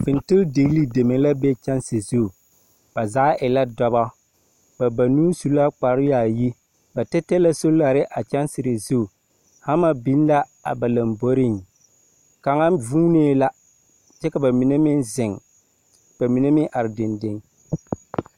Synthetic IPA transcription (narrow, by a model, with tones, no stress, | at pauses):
fɪ˨ntɪ˦lde˨ɣli˦de˨me˨˦la˦bɛ˦t͡ʃa˦nsɪ˨zu˦˨ | b̥a˨zaː˦ʔɪ˨la˦dɔ˨˦ba˦ | ba˨ba˨nuː˦su˦la˦k͡pa˨ɾɪ˦ja˨ji˦ | ba˨tɛ˦tɛ˦la˦so˦la˨ɾɪ˦ʔa˨t͡ʃa˦nsɪ˨ɾɪ˨zu˦˨ | ha˦ma˦bi˨˦n˦la˦a̰˨ba˨la˨mbo˦ɾɪ˦˨ŋ | ka˨ŋa˦vuː˦neː˦la˦ | t͡ʃɛ˦ka˨ba˨mi˨ne˦mɪ˦nzɪ˨ŋ | b̥a˨mi˨ne˦mɪ˦ʔa˨ɾɪ˨dɪ˨ndɪ˨ŋ